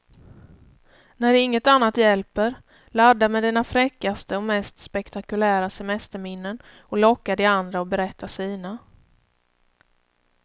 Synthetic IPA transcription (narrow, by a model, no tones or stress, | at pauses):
næɾɪŋːət̪anːat̪jɛlpəɾ | lad̪ːamɛd̪ɛnːafɾɛkːast̪əɔmɛst̪spɛkt̪akɵlæːɾasɛmɛst̪əɾmɪnːən | ɔlɔkːad̪ɪand̪ɾaɔbɛɾɛt̪ʰːasiːna